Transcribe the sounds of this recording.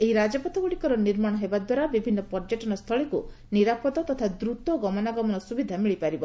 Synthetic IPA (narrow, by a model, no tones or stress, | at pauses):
eɦiɾad͡ʒɔpɔt̪ɔɡuɽikɔɾɔniɾmaɽ̃ɔɦebad̪waɾabibʱinːɔpɔɾd͡ʒɔʈɔnɔst̪ʰɔɭiku | niɾapɔd̪ɔt̪ɔt̪ʰad̪ɾut̪ɔɡɔmɔnaɡɔmɔnɔsubid̪ʱamiɭipaɾibɔ